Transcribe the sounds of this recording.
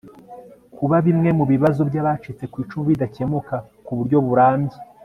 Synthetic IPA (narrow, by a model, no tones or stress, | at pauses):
kʰuβaβimŋe̞muβiβazo̞bjaːβat͡ʃit͡se̞kwiːt͡ʃumuβidace̞muka | kuβuɾɟo̞βuɾaːmɟi